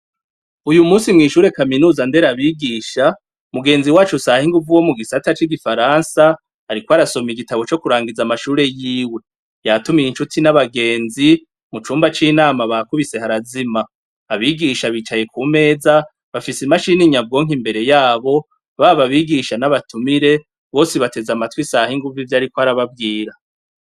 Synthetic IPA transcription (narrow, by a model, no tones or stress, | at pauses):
ujumuːsimŋiːʃuːɾe̞kaminuːzande̞ɾaβiːɡiːʃa | muɡe̞ːnziwaːt͡ʃusahiŋɡuvuwo̞muɡisatat͡ʃiɡifaɾaːnsa | aɾikwoaɾaso̞miiɡitaβo̞t͡ʃo̞kuɾaːŋɡizamaʃuːɾe̞jiːwe̞ | jatumijinʃutʰinaβaɡe̞ːnzi | mut͡ʃuːmbat͡ʃiːnaːmaβakuβise̞haɾazimaː | βiɡiʃaβiːt͡ʃaje̞kuːme̞ːza | βafisimaʃiniɲavɡo̞ːŋ̥imbe̞ɾe̞jaːβo̞ | βaːβaβiːɡiʃanaβatumiɾe̞ | βo̞ːsiβate̞zamatwisahiŋɡuvivjaːɾikwaɾaβavɡiːɾa